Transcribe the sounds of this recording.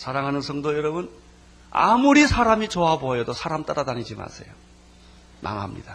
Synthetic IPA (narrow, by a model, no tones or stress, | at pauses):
sʰaɾaŋɦanɯnsʰʌŋdojʌɾʌbun | a̰muɾisʰaɾamit͡ɕoaboɦejʌdosʰaɾamt͈aɾadaɲid͡ʑima̰sʰe̞̰jo | mʔa̰ŋɦamɲḭd̥a